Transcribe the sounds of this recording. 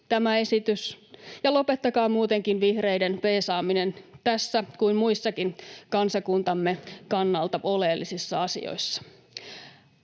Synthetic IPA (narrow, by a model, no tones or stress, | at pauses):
t̪æmæe̞sit̪ysjɑlo̞pet̪ːɑkɑːmuːt̪e̞ŋkinʋihre̞jdenpeːsɑːminent̪æsːækuinmuisːɑkinkɑnsɑkunt̪ɑmːe̞kɑnːɑlt̪ɑoleːlːisisːɑɑsḭo̰isːɑ̥